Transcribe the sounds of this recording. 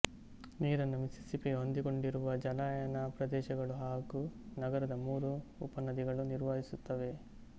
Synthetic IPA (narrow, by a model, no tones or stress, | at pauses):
niːɾɐnːumisi̥sipiɦo̞nd̪iko̞ɳɖiɾuʋɐd͡ʒɐlaːjɐnɐpɾɐd̪ɛːʃɐɡɐɭuɦaːɡunɐɡɐɾɐd̪ɐmuːɾuːpɐnːɐd̪iɡɐɭuniɾʋɐɦisut̪ːɐʋe̞